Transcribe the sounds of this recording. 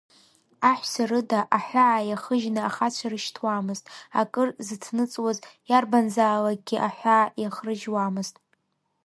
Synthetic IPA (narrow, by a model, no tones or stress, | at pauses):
aħʷsarɨdaʔaħʷaʕajaχəʒnɨaχat͡ɕʷʰarɨʃtʰwamɨztʼa̰kʼɨrzɨtʰnɨt͡sʼwazjarbanzaːlaɡʲiʔaħʷaʕːjaχrɨʒwamɨztʼ